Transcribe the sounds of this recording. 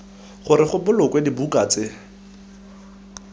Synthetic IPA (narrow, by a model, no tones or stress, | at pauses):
χʊɾɪχʊbʊlʊkwedibukʼat͡sɪ